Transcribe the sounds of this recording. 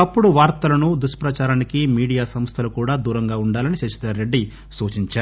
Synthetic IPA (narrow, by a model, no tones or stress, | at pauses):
ɐpːuɽuʋaːɾt̪ɐlɐnud̪uʂɐ̥pɾɐt͡ʃaːɾaːnikimiːɽijaːsɐmst̪ʰɐlukuːɽaːd̪uːɾɐŋɡaːuɳɖaːlɐnit͡ʃɐʃi̥t̪ɐɾːe̞ɖːi | suːt͡ʃiɲt͡ʃaːɾu